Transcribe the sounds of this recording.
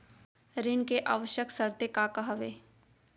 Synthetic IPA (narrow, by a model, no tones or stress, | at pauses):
ɾɪnkeʔa̰ːʋəʃjəksəɾt̪ekaːkəɦɐʋeː